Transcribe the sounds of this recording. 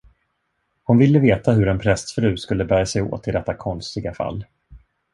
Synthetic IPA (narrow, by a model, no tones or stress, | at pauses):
hʊnvɪlːəveːt̪aɦɵɾɛnpʰɾɛst̪fɾʉ̟ːskɵlːəbæːɾjasɛjo̰ːt̪ʰːɪld̪ɛt̪ːakʰɔnst̪ɪɡafa̰lː